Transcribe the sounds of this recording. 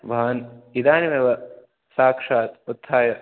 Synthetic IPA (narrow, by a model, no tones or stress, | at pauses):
ʋʱaɐnid̪aːnimeʋɐ | saːkʂaːt̪ut̪ʰːaːjɐ